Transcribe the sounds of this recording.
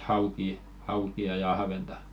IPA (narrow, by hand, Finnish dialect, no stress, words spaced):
hɑukiː hɑukiɑ jɑ ɑhʋentɑ